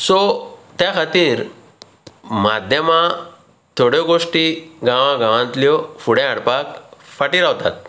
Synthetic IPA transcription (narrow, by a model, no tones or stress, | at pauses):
sɔt̪jakʰat̪iːɾ | mad̪ʱjəmã | t̪ʰoɽjɔɡoʂʈiɡãʋãɡãʋãnt̪ljɔfuɽɛ̃aɽpakfaʈiɾaʋt̪a̰t̪̚